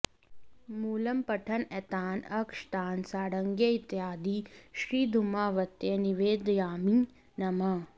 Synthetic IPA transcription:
muːlɐmpɐʈʰɐnɛt̪aːnɐkʂt̪aːnsaːɽɐŋɡjeit̪jɦaːd̪iːʃɾiːd̪ʱumaːʋɐt̪jeniʋeːd̪jaːmiː | nɐma

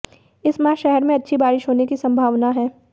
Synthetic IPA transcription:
ɪsmaːʃɛɦɛɾmẽɐtːʃʰibaːɾɪʃɦoːnekisɐ̃mbʱaːʋnaɦɛː

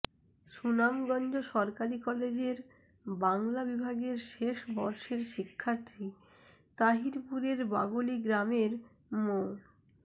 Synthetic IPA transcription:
ʃunamɡɔnd͡ʑoʃɔɾkaɾikɔled͡ʑeɾ | baŋlabibʱaɡeɾʃeʃbɔɾʃeɾʃikʰːaɾt̪ɾi | t̪aɦiɾpuɾeɾba̰ɡoliɡɾameɾ | mon

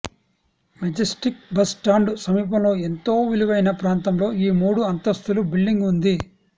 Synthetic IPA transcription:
mɐd͡ʒɐsʈik̚bɐsʈaːɳɖusɐmiːp̬ɐmlo̞ːe̞nt̪o̞ːʋiluʋɐjnɐpɾaːnt̪ɐmlo̞ːiːmuːɽuɐnt̪ɐst̪ulubiɭɖiŋɡund̪i

